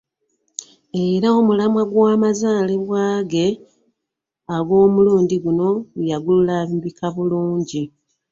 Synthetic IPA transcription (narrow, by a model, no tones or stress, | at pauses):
e̞ɾao̞mulamwaɡwaːmazaːle̞βwaːɡe̞ | aɡo̞ːmuluːɲdiɡuno̞ɡujaɡululaːβibikʰaβuluːɲɟi